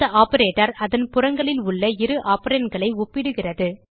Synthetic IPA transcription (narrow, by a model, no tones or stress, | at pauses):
ɐʔaːpɐɾeːʈɐɾɐðɐnpʊrɐŋɡɐɭɪlʊɭːɐɪɾɯʔaːpɐɾeːnɡɐɭɐɪʊpːɪɽɯɣɪrɐðɯ